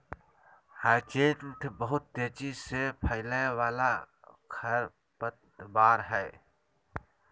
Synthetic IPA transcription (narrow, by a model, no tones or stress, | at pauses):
haːt͡ʃeːt̪mt̪ʰbəɦʊt̪̚ːeːt͡ʃisepʰəɪlẽwaːla | kʰəɾ | pət̪ | baːɾɦɛː